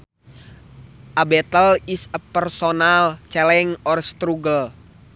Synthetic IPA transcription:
ʔabɛt̪əlisəpːɛrsonalt͡ʃɛlɛŋɔrst̪ɾuɡəl

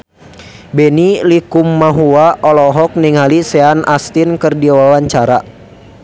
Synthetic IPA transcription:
bɛnilikumːaɦuaʔɔlɔɦɔk̚niŋɦalisɛanʔast̪inkɨrdiwawaɲt͡ʃaɾa

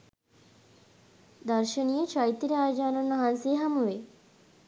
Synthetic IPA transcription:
d̪ɐɾʃənijət͡ʃajt̪ːiɾeaːd͡ʒaːnunːɐɦanseːɦamuʋe

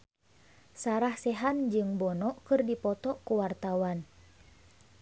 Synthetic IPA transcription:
saɾahsɛɦand͡ʒɨŋbɔnɔʔkɨrdipɔt̪ɔkuwart̪awan

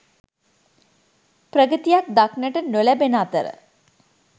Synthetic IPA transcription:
prəɡət̪ijak̚d̪aknəʈənolæbenəat̪əɾə̰

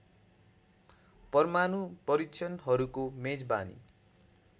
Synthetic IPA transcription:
pʌrmanupʌɾikt͡ʃʰʌnɦʌɾukomed͡zba̰nḭ

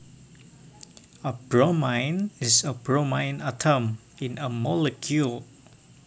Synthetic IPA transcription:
əbɹomãɪnɪsəbɹomãɪ̃natʰəm | ɪ̃nəmɔləkʰjul

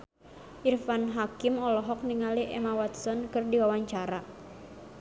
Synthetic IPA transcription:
ʔirfanɦakɪmɔlɔɦɔk̚niŋaliʔɛmawat̪sɔnkɨrdiwawaɲt͡ʃaɾa

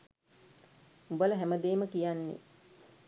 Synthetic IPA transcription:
ubələɦæməd̪eːməkijanːḛ

